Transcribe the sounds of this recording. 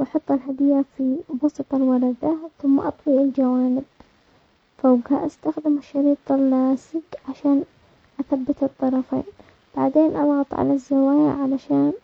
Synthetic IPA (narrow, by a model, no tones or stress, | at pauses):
ʔɑħɑt̪ˤːɪlɦad̪ɪjːafibɑsɨt̪ˤɑlwɑɾˤɑd̪aθʊmːa̰ʔɑt̪ˤwiʔɪld͡ʒawaːnɪb̚ | fawɡhaʔast̪axd̪ɪmɪʃːɑɾiːt̪ˤɪlːaːsɪkʕaʃaːn | ʔaθabːɪt̪ɨt̪ˤːɑɾˤɑfḛːn | b̥a̰ʕd̪eːnʔɑlɣɑt̪ˤʕa̰lazːawaːja̰ʕalaʃaːn